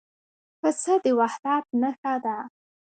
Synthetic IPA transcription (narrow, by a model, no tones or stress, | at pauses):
pəsəd̪əwahd̪ɑt̪̚nəxad̪a